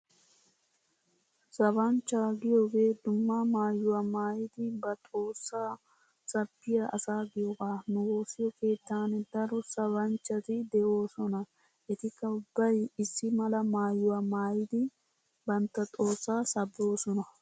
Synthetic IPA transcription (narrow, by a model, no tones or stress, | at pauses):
sɐbɐnt͡ʃːaːɡɪjoːɡe̞ːd̪ʊmːamaːjːʊwaːmaːjɪd̪ɪbɐt̪ʼo̞ːsːaː | sɐbːɪjaɐsaːɡɪjɔɡaːnʊwo̞ːsːɪjɔke̞ːt̪ːaːnɛd̪ɐɾɔsɐbɐnt͡ʃːɐt̪ɪd̪ɛʔo̞ːsɔnɐ | ʔɛt̪ɪkːɐʊbːɐjɪsːɪmɐlɐmaːjːʊwamaːjɪd̪ɪ | bɐnt̪ːɐt̪ʼo̞ːsːaːsɐbːo̞ːsɔnɐ